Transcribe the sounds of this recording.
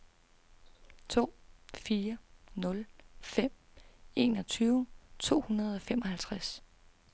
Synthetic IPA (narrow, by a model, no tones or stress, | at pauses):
t͡sʰo̝̰ːfiːɐnɔ̽lfem̰ | e̝̰ːnɒ̽t͡sʰyːʊt͡sʰo̝̰ːhunɐð̞ˠɒ̽fem̰ɒ̽hælt͡sʰʁas